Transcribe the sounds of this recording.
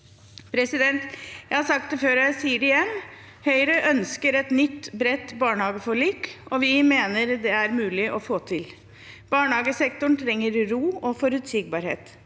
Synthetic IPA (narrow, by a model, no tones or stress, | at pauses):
pʰɾɛsɪd̪ɛnt̪jæɪhɑɾsɑkt̪d̪ɛføːɾjæɪsiːəɾɪjɛmː | hœʏɾəʔœnskəɾɛt̪nʏt̪ːbɾɛt̪bɑːɳəhɑːɡəfɔɭiːkɔʋɪmeːnəɾd̪ɛæɾmʉːlɪʔɔfoːt̪ʰɪl | b̥ɑːɳhɑːɡəsɛkt̪ʊɳt̪ʰɾɛŋːəɾɾuːɔfɔɾʉt̪sɪɡ̚bɑːɾhḛːt̪